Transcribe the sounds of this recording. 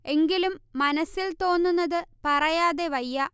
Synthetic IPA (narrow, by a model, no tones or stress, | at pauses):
e̞ŋɡilumːɐnɐsːilt̪o̞ːnːunːɐðɨpɐrɐjaːðe̞ʋɐjːɐ